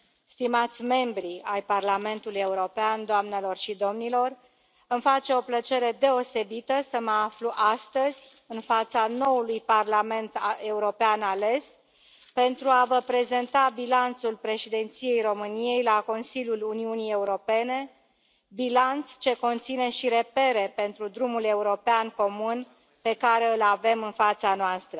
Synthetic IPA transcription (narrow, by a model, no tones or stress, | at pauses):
st̪imat̪sʲme̞mbɾiajparlame̞nt̪uluje̞uɾo̞peand̪oamne̞lo̞rʃid̪o̞mnilo̞r | ɨmfat͡ʃe̞o̞plət͡ʃe̞ɾe̞d̪e̞o̞se̞bit̪əsəməafluʔast̪əz̥ʲ | ɨnfat̪sano̞ulujparlame̞nt̪e̞uɾo̞peanale̞s | pe̞nt̪ɾuavəpɾe̞ze̞nt̪abilant̪sulpɾe̞ʃid̪e̞nt̪sije̞jro̞mɨnije̞jlako̞nsilʲjuluniunije̞uɾo̞pe̞ne̞ | bilant̪st͡ʃe̞ko̞nt̪sine̞ʃiɾe̞pe̞ɾe̞pe̞nt̪ɾud̪ɾumule̞uɾo̞peanko̞mun | pe̞kaɾe̞ɨlave̞mɨnfat̪sanoast̪ɾə